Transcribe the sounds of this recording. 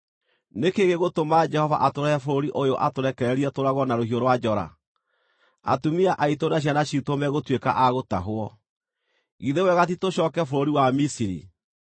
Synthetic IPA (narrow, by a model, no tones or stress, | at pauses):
nekeɣeɣotomad͡ʒɛhɔva̰ʔatoɾɛɛfoɾoɾiʔojoʔatoɾɛkɛɾɛɾiɛtoɾaɣɔnaɾoɦioɾwad͡ʒɔɾa̰ | a̰tumiaʔaitonaɕ̬ianaɕitomɛɣotweka̰ʔaɣotaɦoɔ | ɣiðewɛɣat̬itoɕɔːkɛfoɾoɾiwamisiɾḭ